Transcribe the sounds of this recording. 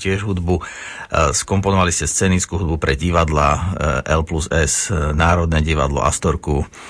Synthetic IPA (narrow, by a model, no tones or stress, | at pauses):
cɪɛʒɦud̪bu | skɔmpɔnɔʋaliscɛst͡sɛːnit͡skuːɦud̪bupɾɛɟiʋad̪laʔɛlpluzɛsnaːɾɔd̪̚nɛɟiʋa̰d̪lɔ̰ʔa̰st̪ɔɾku